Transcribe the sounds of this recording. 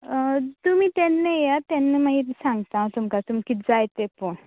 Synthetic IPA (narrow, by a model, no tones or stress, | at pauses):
t̪umiːt̪ɛnːejat̪anːemaɦit̪sãŋɡt̪at̪umkat̪umkid͡zajt̪epoɳ